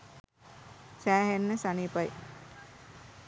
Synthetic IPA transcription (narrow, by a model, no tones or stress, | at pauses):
sæːɦenːəsanipaj